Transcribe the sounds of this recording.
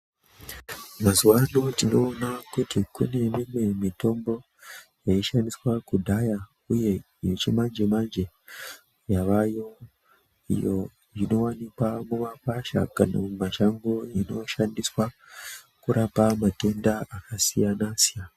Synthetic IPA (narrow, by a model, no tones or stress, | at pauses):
mazuwanotino̞ːnakutikune̞mimwe̞mito̞mbo̞ | jaiʃandiswakudʱaja | uje̞ | iot͡ʃimand͡ʒemand͡ʒe̞ | jaʋajo̞ | ḭjo̞ | ino̞wanikwamumakaʃa̰kana̰mumaʃaŋɡoino̞ʃandiswa | kuɾʔapamate̞ndaʔakasijanasia